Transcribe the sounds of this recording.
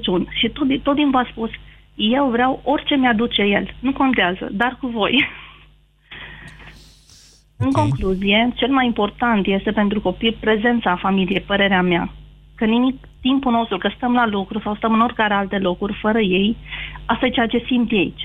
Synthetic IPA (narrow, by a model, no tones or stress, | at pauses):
t͡ʃunʃit̪ot̪o̞t̪ːimvaspus | je̞wvɾeawo̞rʲt͡ʃe̞mʲad̪ut͡ʃe̞je̞lnuko̞nt̪eazə̰d̪arkuvo̞j | ɨŋko̞ŋkluzije̞t͡ʃe̞lmajimpo̞rt̪ant̪je̞st̪e̞pe̞nt̪ɾuko̞pilpɾe̞ze̞nt̪safamilije̞jpəɾe̞ɾeamea̰ | kənimik | t̪impuno̞st̪ɾukəst̪əmlalukɾusawst̪əmɨno̞rkaɾealt̪e̞lo̞kurʲfəɾəje̞jast̪ajet͡ʃejat͡ʃe̞simt̪jejt͡ʃ